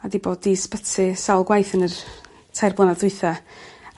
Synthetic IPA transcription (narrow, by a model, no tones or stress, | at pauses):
adiboːdispətʰɪsawlˠɡwajθənər | tʰajrblɔnadʊɨθa